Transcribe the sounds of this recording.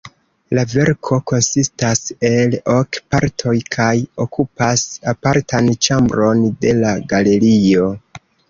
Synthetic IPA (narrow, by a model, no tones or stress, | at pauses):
lave̞ɾkʰo̞ko̞nsistase̞lo̞kpaɾtʰo̞jkʰajo̞kʰupasapaɾtʰant͡ʃambɾo̞nde̞laɡale̞ɾio̞